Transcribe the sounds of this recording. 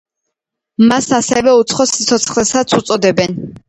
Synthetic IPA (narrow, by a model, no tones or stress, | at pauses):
masasɛvɛut̪sʰχɔsit̪sʰɔt̪sʰχlɛsat̪sʰut̪sʼɔd̪ɛbɛn